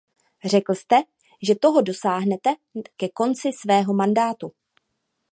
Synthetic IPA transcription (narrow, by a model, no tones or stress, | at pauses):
r̝ɛkl̩st̪ɛ | ʒɛt̪o̞ɦo̞do̞saːɦnɛt̪ɛkɛko̞nt͡sɪsvɛːɦo̞mandaːt̪u